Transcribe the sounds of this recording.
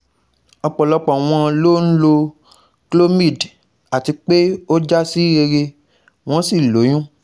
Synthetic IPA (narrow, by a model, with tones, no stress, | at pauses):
ɔ˧k͡pɔ˨lɔ˧k͡pɔ˨w̃ɔ̃˧lo˦n̩˦lo˧ | klo˦mĩ˦˨d | a˨ti˧k͡pe˦o˦d͡ʒa˦si˦ɾe˧ɾe˧ | w̃ɔ̃˦si˦˨lo˨˦j̃ũ˦